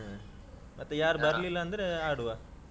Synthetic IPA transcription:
mɐt̪ːɐ̃jaːɾbɐɾlilaːnd̪ɯɯaːɽɯʋaː

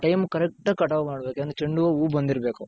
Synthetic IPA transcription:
ʈɐjmkɐɾek̚ʈɐkːɐʈɐʋmaːɽɐbeːkeɐnd̪t͡ʃeɳɖuʋɐuːbɐnd̪iɾbeːku

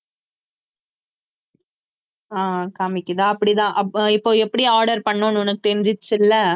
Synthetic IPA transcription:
aːkaːmɪkːɯt̪ãːɐpːɐɽit̪ãːʔɐɪpːoːɛpːɐɽiaːɾɖɐɾpɐɳːõːnʊnɐkːɯt̪ɛɾɪɲd͡ʒɪt͡ʃːɪlːɐ

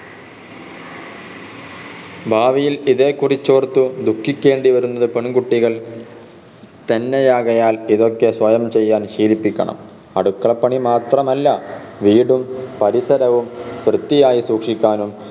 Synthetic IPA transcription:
bʱaːʋijiliðe̞ːkːurit͡ɕːo̞ːrt̪ːud̪ukːikʲːe̞ːɳɖiʋɐɾunːɐðɨpe̞ɳɡuʈːiɣɐɭ | t̪enːejaːɣɐjaːliðo̞kːe̞sʋɐjɐmt͡ɕe̞jːaːnɕiːlipːikʲːɐ̰ɳɐ̰m | ɐ̰ɽukːɐɭɐpːɐɳimaːt̪rɐmɐlːɐʋiːɽumpɐɾisɐɾɐʋumprɨt̪ːijaːjisuːkʂikʲːaːnum

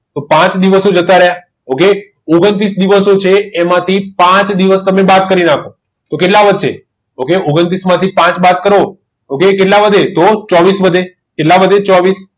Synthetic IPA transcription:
t̪opãt͡ʃd̪iʋəsod͡ʒət̪aɾəɦja | oke | oɡənt̪ɾisd̪iʋəsot͡ʃʰeːmãt̪ʰipãt͡ʃd̪iʋəst̪əmebat̪̚kəɾinakʰo | t̪okeʈlaʋəd̪t͡ʃʰḛ | okeoɡənt̪ɾismãt̪ʰipãt͡ʃbat̪kəɾo | okekeʈlabəd̪ʱet̪ot͡ʃɔʋisʋəd̪ʱe | keʈlabəd̪ʱet͡ʃɔʋis

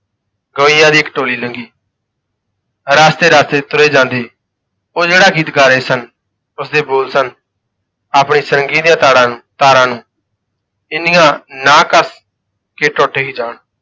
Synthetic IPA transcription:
ɡəʋijãːd̪iːkəʈoːliːləŋɡiː | ɾaːst̪eːɾaːst̪eːt̪ʊɾeːd͡ʒãːnd̪eː | oːd͡ʒeːɽaːɡiːt̪ɡaːɾeːsən | ʊsd̪eːboːlsən | aːpɳiːsəɾəŋɡiːd̪ijãːt̪aːɽãːnːt̪aːɾãːnũː | ɪnɪjãːnãːkəs | keːʈɔːʈʰeːɦiːd͡ʒaːɳ

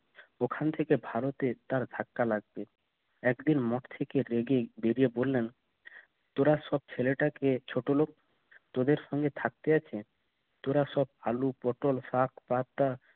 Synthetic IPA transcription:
okʰant̪ʰekebʱaɾot̪et̪aɾd̪ʱakːalaɡ̚be | ɛkd̪inmɔʈt̪ʰekeɾeɡebeɾijebolːen | t̪oɾaʃɔb̚t͡ɕʰeleʈaket͡ɕʰoʈolok̚ | t̪od̪eɾʃɔŋɡet̪ʰak̚t̪eat͡ɕʰe | t̪oɾaʃɔb̚alupɔʈolsakʰpaɾt̪ːa

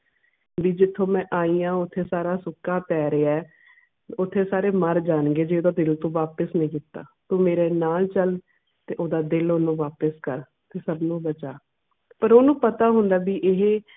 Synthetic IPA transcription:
ʋiːd͡ʒɪt̪ʰːõːmɛ̃ːʔaːiːãːʊt̪ʰːeːsaːɾaːsʊkːaːpɛːɾeaɛː | ʊt̪ʰːeːsaːɾeːməɾd͡ʒaːnɡeːd͡ʒeːoːd̪aːd̪ɪlt̪õːʋaːpəsnəĩːkɪt̪ːa̰ːt̪ũːmeːɾeːnaːlt͡ʃəl | t̪eːʔoːd̪aːd̪ɪloːnũːʋaːpəskəɾ | t̪ʰeːsəbnũːbət͡ʃaː | pəɾoːnũːpət̪aːɦʊ̃nd̪aːbiːʔɪɦeː

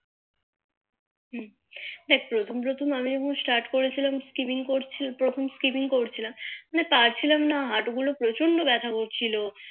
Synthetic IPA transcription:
ɦ | d̪ɛkʰpɾot̪ʰompɾot̪ʰomamid͡ʑɔkʰonsʈaɾʈkoɾet͡ɕʰilamskipiŋkoɾt͡ɕʰipɾot̪ʰomskipiŋkoɾt͡ɕʰilamnepaɾt͡ɕʰilamnaɦaʈoɡulopɾot͡ɕonɖobɛt̪ʰakoɾt͡ɕʰilo

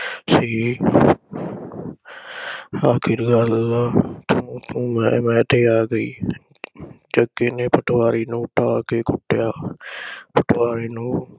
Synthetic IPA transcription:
siː | aːkʰɪɾɡəlaːt̪ʰʊ̃t̪ʰũːmɛ̃ːmɛ̃ːt̪eːaːɡəḭː | d͡ʒəɡeːneːpəʈʰʋaːɾiːnũːʈaːkeːkʊʈːjaː | pʰəʈʰʋaːɾiːnũː

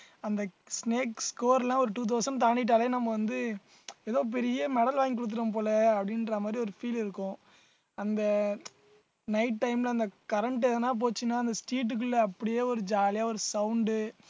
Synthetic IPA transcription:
ɐnd̪ɐ | sneːkskoːɾlãːɔɾɯʈuːt̪̬oːsɐmt̪aːɳɪʈːaːleːnɐmːɐʋɐnd̪ɯ | ɛðɐ̃p̬ɛɾɪjɐmɛɽɐlʋaːŋik̬ʊɽɯt̪̬ːɯɾɐmp̬oːlɐːpːɐɽɪnɾɐmaːd̪ɾiɔɾɯfiːlɪɾɯkːʊ̃ | ɐnd̪ɐ | nɐɪʈːɐɪmlɐnd̪ɐkɐɾɐɳʈɛðɐnːaːp̬oːt͡ʃːɯnːaːɐnd̪ɐsʈiːʈ̬ːɯk̬ːɯɭlːɐɐpːɐɽɪjeːɔɾɯd͡ʒaːlɪjaːɔɾɯsɐʊɳɖɯ

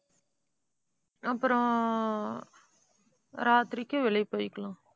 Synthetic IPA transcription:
ɐpːɯɾõ | ɾaːt̪ɾɪkːeʋɛɭɐɪpːoːjɪkːɐɭãː

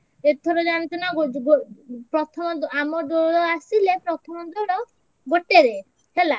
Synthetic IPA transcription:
et̪ʰɔɾɔd͡ʒaɽɔnt̪ɔnaɡɡopɾɔt̪ʰɔmɔd̪amɔd̪ɔɽɔasilepɾɔt̪ʰɔmɔd̪ɔɽɔ | ɡoʈeɾe | hela

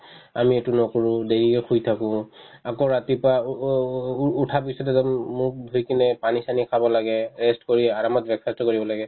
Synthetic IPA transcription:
a̰mietunɔkuɹʊ̃deɹiɛxʰujtʰakʊ̃akoɹatipa | tʰapisɔtɛzɔmmʊk̚bʱujkinɛpanisanikʰabɔlaɡɛɹɛstkoɹiaɹamɔt̚bɛkfɛstɔkoɹibɔlaɡɛ

